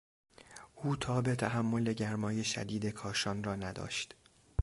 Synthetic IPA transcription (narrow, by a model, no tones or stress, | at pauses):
ʔuːt̪ʰɒːbet̪ʰæɦæmːo̞le̞ɟæɾmɒːje̞ʃæ̰d̪iːd̪e̞kʰɒːʃɒːnrɒːnæd̪ɒ̰ːʃt̪